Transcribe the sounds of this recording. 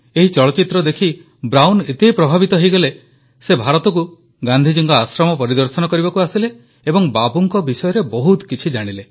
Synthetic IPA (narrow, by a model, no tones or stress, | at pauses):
eɦit͡ʃɔɭɔt͡ʃit̪ɾɔd̪ekʰi | bɾawnet̪epɾɔbʱabit̪ɔɦejɡɔle | sebʱaɾɔt̪ɔk̬u | ɡand̪ʱid͡ʒiŋkɔasɾɔmɔpɔɾid̪ɔɾsɔnɔkɔɾibakuasileː | bɔŋbabuŋkɔbisɔjɔɾebɔɦut̪kit͡ʃʰid͡ʒaɽ̃ile